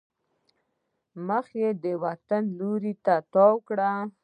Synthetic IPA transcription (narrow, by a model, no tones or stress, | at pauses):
məxjed̪əwat̪anluɾit̪at̪ɑwkɽa